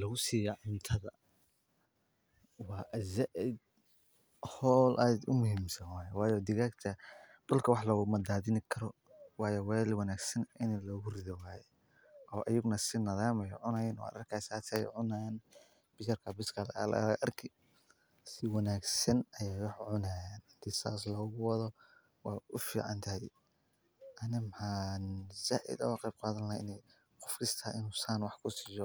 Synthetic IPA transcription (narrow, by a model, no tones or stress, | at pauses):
lɐɣʊsiːjɔʕɪnt̪ʰɐðɐ | wɑːʔɐzaʔɪd̪ | hɔːlʔaːd̪ʊmʊhiːmsɐnwaːjɛwɑːjɔd̪ɪɣaːɡt̪ʰɐd̥ʊlkʰɐwɑħlɔːɣʊmɐd̪aːðɪnɪkʰɐɾɔ | wɑːjɔwɛːlwɑnaːɡsɐnɪnlɔːɣʊrɪðɔwaːjɛ | ɔːʔɐjʊɡnɐsɪnɐðaːmɐjʕʊnɐjnɔ̰ɐ̰ɾɐrkʰɐsaːt̪ʰɛjʕʊnan | b̥ɪt͡ʃɐrkʰɐbɪskʰɐlɐɐ̰lʔɐrkʰɪ | sɪwɑnaːɡsɐnɐjɛjwɑħʕʊnaːjaːnhɪnt̪ʰisa̰ːslɔːɣʊwɑðɔ | wɑːʊfḭːʕɑ̰nt̪ʰɐɦɛj | ʔɐnɪmħaːnzaːʔɪ̰d̪ɐ̰wqɑjb̚qaːðɐnlɐhaɪ̰nɛj | qɔ̥fkʰɪst̪ʰaːʔɪnuːsaːnwɑħkʰʊsɪjɔ